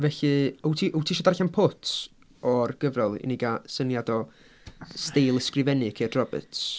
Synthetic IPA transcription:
vɛɬɨəwtʰiʔəwtʰiʃɔdarɬanpʰʊtʰ | ɔrɡ̥əvrɔlˠḭniɡasənjadɔ | stejlˠəskrɪvɛnɨkʰed̥rɔbə̰t

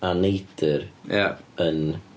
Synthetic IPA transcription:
anejd̥ɪɾjaən

